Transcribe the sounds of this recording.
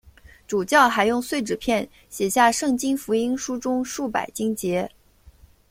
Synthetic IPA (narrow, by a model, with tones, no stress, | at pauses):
ʈ͡ʂu˨˩t͡ɕjɑ˥˩ʊxa˧˥ɪjʊ˥˧ŋswe˥˩ɪʈ͡ʂɻ̩˨˩pʰjɛ˥˩n | ɕjɛ˨˩ɕja˥˧ʂɤ˥˩ŋt͡ɕi˥nfu˧˥i˥nʂu˥ʈ͡ʂʊ˥ŋʂu˥˩pa̰˨˩ɪt͡ɕi˥ŋt͡ɕjɛ˧˥